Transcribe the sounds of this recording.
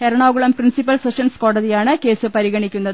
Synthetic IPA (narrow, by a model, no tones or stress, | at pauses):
eɾɐɳoːɣuɭɐmprinsipːɐlseʂɐnsko̞ːɽɐðijaːɳɨke̞ːsɨpɐɾiɣɐɳikʲːunːɐðɨ